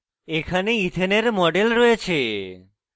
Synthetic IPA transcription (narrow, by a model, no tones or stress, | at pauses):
ekʰaneit̪ʰeneɾmɔɖelɾɔjet͡ɕʰe